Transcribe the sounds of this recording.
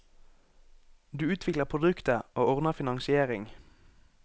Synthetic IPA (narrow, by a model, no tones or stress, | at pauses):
d̪ʉːʉːt̪ʰʋɪkləpʰʁʊd̪ʉkt̪əʔoːɔʁnəfɪnɑŋsɪeːʁɪŋ